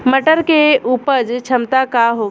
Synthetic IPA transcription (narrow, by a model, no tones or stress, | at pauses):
məʈəɾkeʔupəd͡ʒt͡ʃʰəmt̪akaɦo